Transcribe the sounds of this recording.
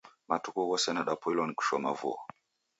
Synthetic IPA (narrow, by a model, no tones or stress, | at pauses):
matukuɣɔsɛnaɗapilɔniku̥ʃwama̰vṵɔ